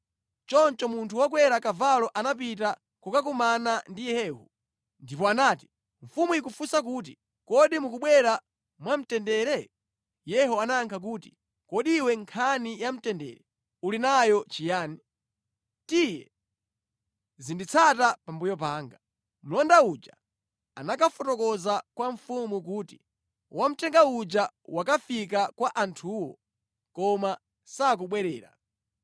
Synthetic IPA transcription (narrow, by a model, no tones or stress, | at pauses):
t͡ʃɔnt͡ʃɔmuntʰuwakwɛɾakavalɔʔanap̬it̬a | kukak̬umanandijɛhɛːhu | ndipɔanaːti̥ | ɱfumujik̬ufusak̬uːt̬i | kɔɗimuk̬uɓwɛɾa | mwam̩tɛndɛɾɛ | jɛɦɔanaŋkʰak̬uːti̥ | kɔɗiwɛŋkʰanijam̩tɛndɛ̰ɾɛ | ulinajɔt͡ʃijaːni | tijɛ | zindit͡sʰatapambujɔp̬aːŋɡa | m̩lɔndaud͡ʒa̰ | anakafɔtɔkɔzakwaɱfumukuːti | wam̩tʰɛŋɡaud͡ʒawakafik̬akwaʔantʰuːwɔ | kɔma | sak̬uɓwɛɾɛːɾa̰